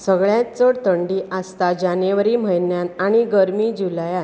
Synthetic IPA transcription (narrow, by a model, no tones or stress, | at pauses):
səɡɭjãt͡səɽt̪əɳɖiːʔast̪ad͡ʑaneʋɾiːm̤əjnjanaɽ̃iɡəɾmiːd͡ʑulja